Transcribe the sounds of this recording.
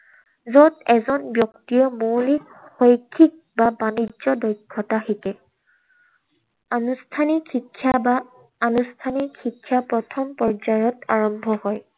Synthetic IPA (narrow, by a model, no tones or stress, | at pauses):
zɔdɛzɔnbjɔktiɔmolik | xojkʰik̚babanizɔdɔjkʰːɔtaxikɛ | anustʰanixikʰːjabaː | nustʰanixikʰːjapɹɔtʰɔmpɔɹd͡ʒajɔta̰ɹɔmbʱɔhɔj